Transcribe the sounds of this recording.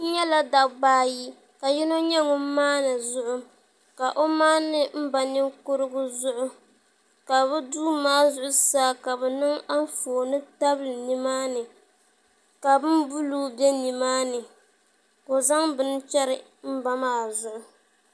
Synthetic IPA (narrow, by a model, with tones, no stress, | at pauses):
ɲɛ˦la˦da˨ɡ͡baː˦ji˦ | ka˨ji˦no˦ɲɛ˦ŋʊ˦m˦maː˦na˨zʊ˦ʔʊ˦ | ka˨ʔo˦maː˦nɨ˦m̩˦ba˨nɪ˦ŋkʊ˦ɾɨ˦ɡʊ˦zʊ˦ʔʊ˦ | ka˨bɛ˦duː˦maː˦zʊ˦ʔʊ˦saː˦ka˨bɛ˨nɨ˦ŋa˦n˦foː˨nɨ˦ta˦blɨ˨ni˦maː˦nɨ˨ | ka˨bɨ˦nbu˦luː˦bɛ˦ni˨maː˦nɨ˨ | ko˨za˦ŋbɨ˦n˦t͡ʃɛ˦ɾɨ˨ | m̩˦ba˦maː˦˨zʊ˨ʔʊ˨